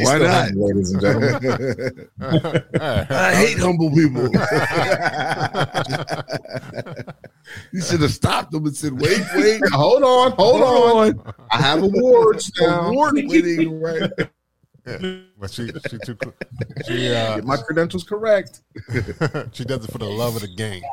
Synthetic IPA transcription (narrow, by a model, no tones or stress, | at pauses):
waɪnɑt̚leɪɾəz̃n̩d͡ʒɛnl̩ | ʌaɪɦeɪt̚hʌ̃mbl̩ˠpipl̩ˠ | hisɛtɨstɑp̚ðə̃mɨsɛd̚weɪt̚weɪt̚hoʊlˠdn̩hoʊlˠdn̩aɪəvəwɔɹdd͡ʒnawɔɹdkɪɾɪ̃ŋɹaɪt̚ | ʃii | ʃiɛmaɪkʰɹ̥ɨdɛ̃ms̩z̥kʰə˞ɛk̚t̚ | ʃidʌz̃tfəəlʌvʌðɨɡẽɪ̃m